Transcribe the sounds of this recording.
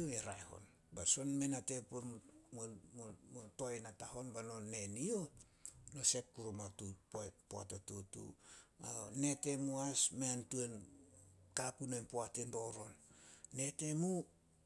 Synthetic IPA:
oeɾaeho̞̰n | baso̞nme̞natepo | motojnataho̞nbano̞ne̞nio̞ | no̞se̞p̚kuɾomatuppoa̰totutṵane̞te̞muasmeantue̞n | kapunojnpoatendo̞ɾo̞nːe̞te̞mu

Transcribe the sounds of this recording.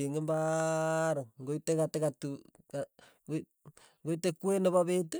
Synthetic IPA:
eŋemba | ɾoŋɡoitekatekatu | ka | ŋɡoitekuenoβaβetu

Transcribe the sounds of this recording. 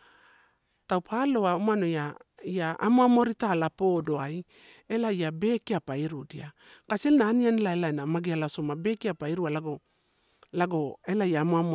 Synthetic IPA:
tawpʰalo̞aumano̞jaiaa̰moamo̞ɾitalapo̞do̞aj | e̞laiabe̞ːkiapaiɾudia̰kaselnaːnianelaelaenamaɡialasomabe̞kiapaiɾualaɡo | laɡo̞e̞lajaːmoamo

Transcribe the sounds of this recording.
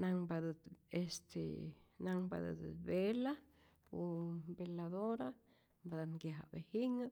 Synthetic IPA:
naŋbad̪əd̪est̪ʰḛnaŋba̰d̪ə̰d̪bela | pumbelad̪oɾa | mbad̪aŋɡjaɦa̰behiŋa

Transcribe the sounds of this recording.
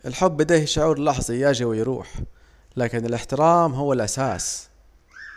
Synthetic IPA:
ʔɪlħʊbːɪd̪eːhʃʊʕuːɾlɑħzˤɑjaːʒiwɪjɾṵːħ | laːkɪnɪlɪħt̪ɪɾaːmɦʊwːalʔasaːs

